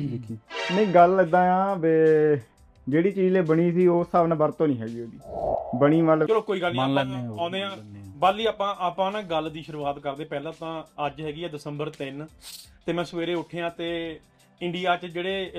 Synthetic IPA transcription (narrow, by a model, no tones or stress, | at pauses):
mẽːɡəlɪd̪ãːjãːbeː | d͡ʒeːɽiːt͡ʃiːzẽːbəɽ̃iːsiːoːsaːʋnãːbəɾt̪õːnĩːɦɛːɡiːoːd̪iːbəɽ̃iːʋəlt͡ʃəloːkoːiːɡəlːnãːnd̪eːãːbəlːiːaːpãːʔaːpãːnãːɡəld̪iːʃəɾʋaːt̪kəɾd̪ẽːpɛːlãːt̪ãːəd͡ʒɦɛːɡiːɛːd̪ɪsəmbəɾt̪ɪnt̪eːmɛ̃ːsəʋeːɾeːʊʈʰeːãːt̪eː | ɪ̃ɳɖijaːt͡ʃd͡ʒeːɽeː